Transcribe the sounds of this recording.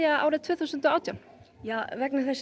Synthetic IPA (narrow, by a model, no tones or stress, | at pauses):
jaa̰ːwɾɪðt̪ʰvʏːθusʏnt̪ɔaːwt̪jawn | javɛknaθɛsː